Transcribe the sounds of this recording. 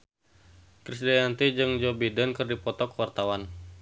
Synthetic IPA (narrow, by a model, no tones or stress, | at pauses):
kɾisdɛjant̪id͡ʒɨŋd͡ʒɔbidɛnkɨrdipɔt̪ɔkəwart̪awan